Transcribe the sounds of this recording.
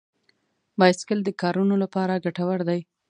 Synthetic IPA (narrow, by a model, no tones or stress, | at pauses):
bɑjskəld̪əkɑɾunolapɑɾaɡaʈawaɾd̪aj